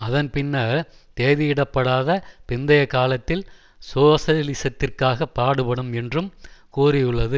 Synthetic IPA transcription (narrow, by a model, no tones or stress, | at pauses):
ɐðɐnpɪnːɐt̪eːðɪjɪɽɐpːɐɽaːðɐpɪnd̪ɐjɐkːaːlɐt̪ːɪl | soːsɐlɪsɐt̪ːɪrkaːɣɐpːaːɽɯpɐɽɯmɛndrɯmkuːrɪjɯɭːɐðɯ